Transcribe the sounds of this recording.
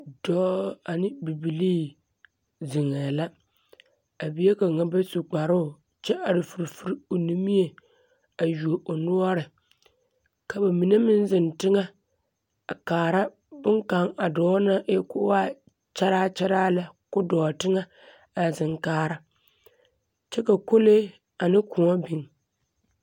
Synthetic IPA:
dɔː˦a˨nɪ˦bi˨bi˨liː˦ | zɪ˨ŋɛ˨la˦ | a˨bi˦je˦ka˨ŋa˦ba˦su˨k͡pa˨ɾʊ˦˨ | t͡ʃɛ˦ʔa˨ɾɪ˨fu˨ɾfu˦ɾi˦o˨ni˦mi˦e˨ | a˨ju˨o˨ʔo˨nʊ˦ɔ˦ɾɪ˨ | ka˨ba˨mi˨ne˦mɪ˦nzɪ˨ntɪ˦ŋa˦˨ | kaː˨ɾa˦ | bʊ˦ŋka˨˦ŋa˨dɔː˨˦na˦ʔe˦kʊ˦waː˦ | t͡ʃɛ˦ɾaː˦t͡ʃɛ˦ɾaː˦la˨kʊ˦dɔː˨tɪ˦ŋa˦ | a˨zɪ˨ŋkaː˨ɾa˨ | t͡ʃɛ˦ka˨ko˦le˦ | a˨nɪ˦kʊ˨ŋɔ˦bi˨ŋ

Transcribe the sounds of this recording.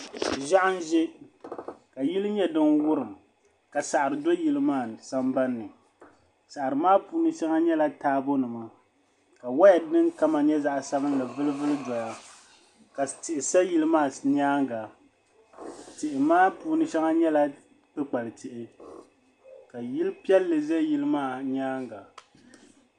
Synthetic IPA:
ʒa˦ʔa˦n˦ʒɛ˦ | ka˨ji˦lɨ˦ɲɛ˦dɨ˦nwʊ˦ɾɨ˨m | ka˨sa˨ʔa˨ɾɨ˨do˦ji˦lɨ˦maː˦˨sa˦mba˦nːɨ˨ | sa˨ʔɾɨ˨maː˦puː˦nɨ˦ʃɛ˦ŋa˦ɲɛ˦la˦taː˦bo˦nɨ˨ma˨ | ka˨wa˦ja˨dɨ˦ŋka˦ma˨ɲɛ˦za˦ʔsa˦bɨ˦n˦lɨ˨vɨ˦lɨ˦vɨ˦lɨ˦dɔ˨ja˦ | ka˨tɪ˨ʔɪ˨sa˦ji˦lɨ˦maː˦˨ɲ˦aː˦ŋɡa˨ | tɪ˨ʔɪ˨maː˦puː˦nɨ˦ʃɛ˦ŋa˦ɲɛ˦la˦ | k͡pɨ˦k͡pa˨lɨ˨tɪ˨ʔɪ˨ | ka˨ji˦lɨ˦pi˦ɛ˦lːɨ˨zɛ˦ji˦lɨ˦maː˦˨ɲaː˦ŋɡa˨

